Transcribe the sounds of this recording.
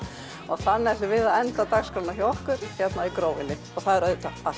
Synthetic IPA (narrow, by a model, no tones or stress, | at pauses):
ɔɣθanːaɛht̪ʏvɪðaɛnt̪at̪aɣskɾawnaçɛɔhkʏɾ̥çɛt̪naikɾoːwɪnːɪ | ɔɣθaðɛɾœðʏt̪ʰapa